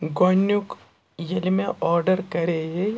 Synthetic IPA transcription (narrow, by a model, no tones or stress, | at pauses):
ɡonjuk | jɐlmẽʔɔːɾɖəɾkɐɾeje